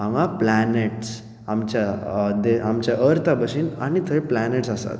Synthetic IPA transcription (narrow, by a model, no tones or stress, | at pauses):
ɦãŋaplaneʈs | ɦamt͡ɕad̪eɦamt͡ɕaʔəɾt̪abəsina̰nit̪ʰəɾiplaneʈsasa̰t̪